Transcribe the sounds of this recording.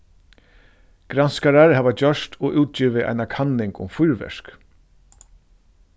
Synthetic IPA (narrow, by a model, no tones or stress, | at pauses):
ɡ̥ɾanskaɾaɾhaːvat͡ɕœʂt̪ʰɔʔuːt̪̚t͡ɕiːʋɪʔa̰jnakʰanːɪŋkʊ̰mfʊjɾvɛ̰ʂk